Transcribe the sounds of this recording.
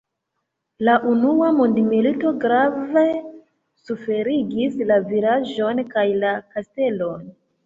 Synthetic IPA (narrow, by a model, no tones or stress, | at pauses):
laʔunuamundmilito̞ɡɾave̞ | sufe̞ɾiɡislavilaʒo̞nkajlakaste̞lo̞n